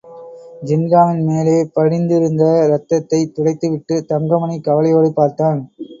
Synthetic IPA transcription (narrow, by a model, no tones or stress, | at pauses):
d͡ʒɪnɾaːʋɪnmeːleːpɐɻɪnd̪ɪɾɯnd̪ɐɾɐt̪ːɐt̪ːɐɪt̪ʊɽɐɪt̪ːɯʋɪʈːɯt̪ɐŋɡɐmɐɳikːɐʋɐlɐjoːɽɯpːaːɾt̪aːn